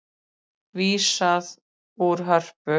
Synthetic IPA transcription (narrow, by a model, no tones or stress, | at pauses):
viːsað | uɾɦœr̥pʏ